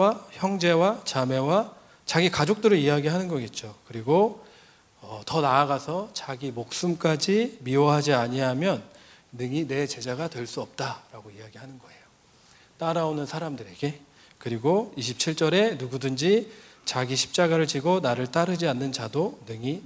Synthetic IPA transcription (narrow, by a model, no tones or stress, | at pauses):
açjʌŋd͡ʑe̞wat͡ɕame̞wa | t͡ɕaɡikad͡ʑok̚t͈ɯɾɯɭiaɡiɭɦanɯnɡʌɡet̚t͡ɕ͈okɯɾiɡo | ʌtʌnaːɡasʰʌt͡ɕaɡimok̚s͈ɯmk͈ad͡ʑimiʌɦad͡ʑiaɲiɦamjʌnː | ɯŋine̞t͡ɕe̞d͡ʑaɡatwe̞ɭs͈uʌp̚t͈aɾaɡoiaɡihanɯnɡʌe̞jo | t͈aɾaonɯnsʰaɾamdɯɾe̞ɡe̞ | kɯɾiɡoiɕʰi̥p̚t͡ɕʰiɭt͡ɕ͈ʌɾe̞nuɡudɯnd͡ʑi | t͡ɕaɡiɕʰi̥p̚t͡ɕ͈aɡaɾɯɭt͡ɕiɡonaɾɯɭt͈aɾɯd͡ʑianːɯnt͡ɕadonɯŋi